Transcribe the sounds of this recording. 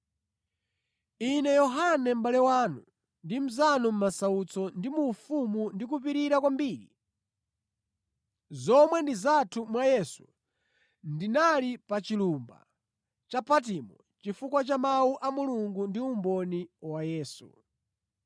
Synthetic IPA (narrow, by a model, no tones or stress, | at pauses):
inɛjɔɦanɛm̩balɛwanu | ndim̩zanɔm̩masaut͡sɔndimufumundik̬upiɾiɾakwambiːɾḭ | zɔmwɛndizatʰumwajɛsu | ndinalipat͡ʃilumba̰ | t͡ʃapʰat̬imɔ | t͡ʃifukwat͡ʃamauʔamuluŋɡundiumbɔniwajɛːsṵ